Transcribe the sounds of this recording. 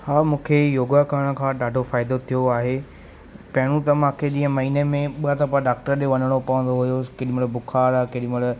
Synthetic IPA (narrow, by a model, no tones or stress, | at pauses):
haːmũːkʰejoːɡakəɾəɽ̃ə̆kʰãːɗaːɖʱofaːɪd̪ot̪ʰijoaːɦe | pɐɦɪɽ̃ũt̪ɐmãkʰeʄĩːə̃mɐɦiːnemẽɓt̪ɐpaɖaːk̚ʈəɾɗõʋɐnəɽ̃opɐʋə̃n̆d̪oɦʊjokeɗimʊɽbʊkʰaːɾakeɗimʊɽ